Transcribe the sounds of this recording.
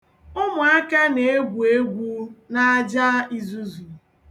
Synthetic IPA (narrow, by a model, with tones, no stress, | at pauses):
ʊ˦mʊ˨a˦ke˦ne˨e˦ɡʷu˨e˦ɡʷu˦na˦a˦d͡ʒa˦i˦zu˦zu˨